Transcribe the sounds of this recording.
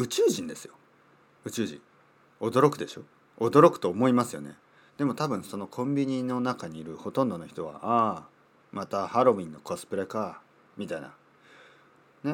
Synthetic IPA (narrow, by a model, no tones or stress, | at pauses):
ɯ̟t͡ɕɨːʑĩnd̪e̞sɨjo | ɯ̟t͡ɕɨːʑḭ̃ŋ | o̞d̪o̞ɾo̞kɯ̟d̪e̞ɕo̞ | od̪oɾo̞kɯ̥t̪o̞ːmo̞imasɨjo̞̰ne̞̰ | d̪̥e̞mo̞t̪abɯ̟̃ɰ̃so̞no̞kʰõ̞mbʲiɲ̟ino̞nakaɲ̟iːɾɯ̟ho̞t̪õnd̪o̞noçi̥t̪oβa̰ʔa | mat̪ahaɾo̞ĩnːo̞kosɨ̥pɯ̟ɾeka | mʲit̪aina̰ | ne